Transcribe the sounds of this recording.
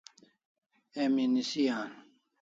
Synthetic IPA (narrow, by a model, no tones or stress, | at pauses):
eminisijaːn